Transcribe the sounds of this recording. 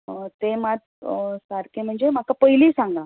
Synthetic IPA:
ət̪emat̪ | saɾkem̤əɳd͡zem̤akapəjliːsãŋɡa

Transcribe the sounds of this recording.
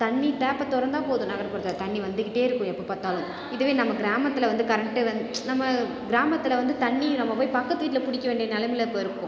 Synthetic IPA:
t̪ɐɳːit̪ɛːpːɐt̪ːɔɾɐɾnd̪ãːpoːðʊ̃nɐɣɐɾɐpɐɽðɐt̪ɐɳːiʋɐnd̪ɯkːɪʈːeːɪɾɯkːʊ̃ɛpːoipaːɾt̪aːlʊ̃ | ɪðɯʋeːnɐmːɐɡɪɾaːmɐt̪ːɯlɐʋɐnd̪ɯkɐɾɐɳʈːɯʋɐnd̪nɐmːɐ | ɡɪɾaːmɐt̪ːɯlɐʋɐnd̪ɯt̪ɐɳːĩnɐmːɐpoːjpɐkːɐt̪ːɯʋiːʈːɪlɐpʊɽɪkːɐʋeːɳɖɪjɐnɛlɐmɪlɐkːoɪɾɯkːʊ̃

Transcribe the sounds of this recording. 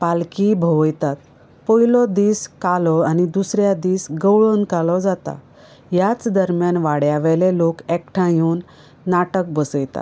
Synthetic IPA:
palkibʱəʋəjt̪at̪̚ | pɔɦilɔd̪iːskalɔanid̪usɾjad̪iːsɡəwɭənkalɔd͡zat̪a̰ | jat͡sd̪əɾmjanʋaɽjaʋɛlelokɛkʈʰãjuːnː | aʈək̚bəsəjt̪a̰

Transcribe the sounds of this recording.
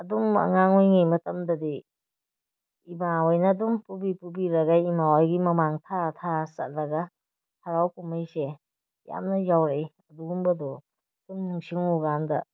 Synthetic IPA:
ɐdumɐ̰ŋaŋujŋimɐtɐmdɐdi | ibawajnɐːdumpubipubiɾɐɡaimawajɡimɐmaŋtʰatʰasɐt̚lɐɡɐ | hʰaɾawkumajse | ja̰mnɐjawɾej | ɐduumbɐdɔ | d̥umnuŋsiŋuɡandɐ

